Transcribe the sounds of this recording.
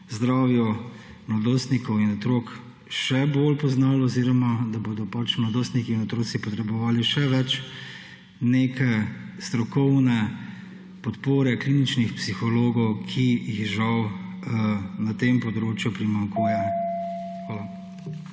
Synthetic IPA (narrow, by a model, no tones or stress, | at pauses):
zd̪ɾaːwju | mlad̪oːst̪nikɔwinɔt̪ɾoːk | ʃɛbolpɔznaːlɔɔziːɾɔmad̪aboːd̪ɔpat͡ʃmlad̪oːst̪nikiinɔt̪ɾoːsipɔt̪ɾɛbɔʋaːliʃɛʋɛt͡ʃ | nekɛst̪ɾɔkɔwnɛ | pɔt̪poːɾɛklinit͡ʃnixpsixɔloːɡɔwkʰijixʒaw | nat̪empɔd̪ɾoːt͡ʃjupɾimaŋkuːjɛ | xala